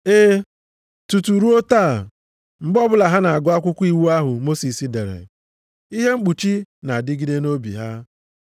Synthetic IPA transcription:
e˦ | tu˨tu˨ɾu˦o˦taː˦˨ | ŋ͡m̩˨ɡ͡bɔ˦bʊ˦la˨ɦa˦na˨a˨ɡʊ˦a˦kʷʊ˦kʷu˦i˦wu˦a˦ɦʊ˨mo˦si˨si˨de˨ɾḛ˨ | i˦ɦe˦ŋ͡m̩˦k͡pu˨t͡ʃi˦na˨dɪ˦ɡi˦de˦no˦bḭ˨ɦa˦

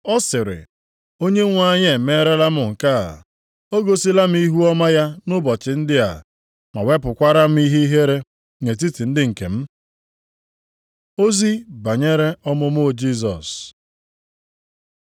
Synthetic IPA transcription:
ɔ˦sɪ˨ɾɪ̰˨ | o˦ɲe˦ŋʷ˦a˦ɲɪ˦e˨me˦ɾe˦la˦mʊ˨ŋ̩˨ka̰˦˨ | o˦ɡo˦si˦la˦m̩˦i˦ɦu˦ɔ˦ma˦ja˦nʊ˦bɔ˨t͡ʃɪ˨n̩˦dɪ˦a̰˨ | ma˨we˦pʊ˨kʷa˦ɾa˦m̩˦i˦ɦe˦i˦ɦe˦ɾe˦ | ŋe˨t̬i˦ti˨n̩˦dɪ˦ŋ̩˨ke˨m̩˦ | o˦zi˦ba˨ɲe˦ɾe˦ɔ˦mʊ˦mʊ˦˨d͡ʒi˦s̬ɔ̰˨s

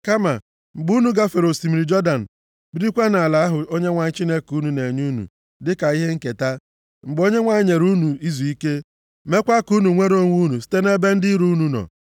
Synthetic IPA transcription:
ka˦ma˨ | ŋ͡m̩˨ɡ͡bu˦nu˨ɡa˦fe˨ɾo˨si˨mi˨ɾi˨d͡ʒɔ˦da˨n̩˨ | bi˦ɾi˦kʷa˦na˨la˨˦ɦʊ˨o˦ɲe˦ŋʷa˨ɲ˦t͡ʃi˦ne˦ku˦nu˨ne˨ɲu˦nṵ˨ | dɪ˦ka˨i˦ɦe˦ŋ̩˦ke˨ta˦ | ŋ͡m̩˨ɡ͡bo˦ɲe˦ŋʷa˨˦ɲe˨ɾu˦nu˨i˦zu˨i˦ke˦ | me˦kʷa˦ku˦nu˨ŋʷe˦ɾo˦ŋʷu˦nu˨si̥˦te˦ne˦be˦n̩˦di˦ɾu˦nu˨nɔ̰˨

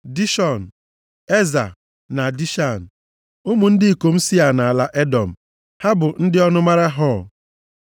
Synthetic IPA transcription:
di˦ʃɔ˨n̩˨ | e˦za˨ | na˨di˦ʃa˦˨n̩˨ | ʊ˦mu˨n̩˦dɪ˦i˨ko˨m̩˦si˦a˨na˨a˨la˦ʔe˦dɔ˨m̩˨ | ha˦bʊ˨n̩˦dɪ˦ɔ˦nʊ˦ma˦ɾa˦ɦɔ˦˨

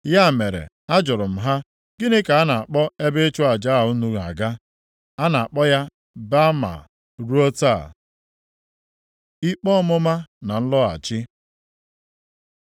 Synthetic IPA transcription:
ja˦˨me˨ɾḛ˨ | a˦d͡ʒʊ˨ɾʊ˨m̩˨ɦa˦ | ɡ̥ɪ˦ne˦ka˨a˦na˨a˨k͡pɔ˦e˦be˦e˦t͡ʃʊ˦a˨d͡ʒa˦˨u˦nu˦ɣa̰˨ɡa˦ | a˦na˨a˨k͡pɔ˦ja˦ | ba˦ma̰˨ | ɾu˦o˦ta˦˨ | i˦k͡pɔ˦mʊ˦ma˦na˨n̩˦lɔ˦a̰˨t͡ʃɪ˦

